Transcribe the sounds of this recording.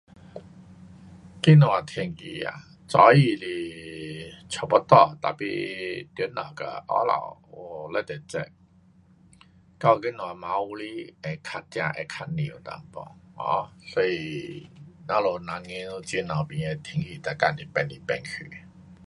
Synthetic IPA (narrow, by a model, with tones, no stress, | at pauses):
ki˦nɔ̃˨a˨˩t̪ʰi˧ŋkḭ˨˩a̰˨ | t͡sɔ˨˧˦i˧li˧ | t͡ɕʰɔ˨˩pɔ˦t̪ɔ˧˩t̪a̰˨pḭ˧t̪ɛ˨˦na̰˨˩ka̰˧˩ʔɔ̰˦la̰˨˩wɔ˨˩lɛ˧˦t̪ɛ˨˩t͡sɛ̰˧ | ka˥˧˩ki˦nɔ̃˨a˨ma˧˦u˧˦li˦ɛ˧kʰa˧t̚t͡ɕja̰˧ʔɛ̰˧kʰa˧t̚nḭ̃˨u˨t̪a̰˧˩ŋpɔ̰˧˩ŋhɔ̰̃˧˦sɔ˧˦i˨ | nã˨˦lo˨˩na˨˧˦ŋi˧˦nu˧t͡ɕi˧˦na˨˩pĩ˨ŋɛ˧t̪ʰi˧ŋki˨˩t̪a˨˩ka˧˩nli˨˩pɛ˧nli˧˩pɛ˧nkʰy˨˩